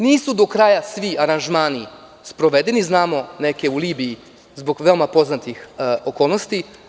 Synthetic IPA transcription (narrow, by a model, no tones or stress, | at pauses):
niːsud̪o̞kɾaːjasʋiaɾanʒmaːni | spɾo̞ʋed̪e̞niznaːmo̞neke̞uliːbiji | zbo̞ɡʋe̞omapo̞znat̪ixokoːlˠno̞st̪i